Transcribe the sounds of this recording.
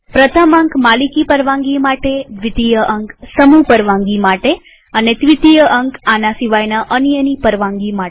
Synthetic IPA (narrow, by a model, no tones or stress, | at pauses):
pɾət̪ʰəmə̃ŋkmalikipəɾʋãŋɡimaʈed̪ʋit̪ijəʔəŋksəmupəɾʋãŋɡimaʈe | ənet̪ʋit̪ijəʔəŋkanasiʋajnaʔənjənipəɾʋãŋɡima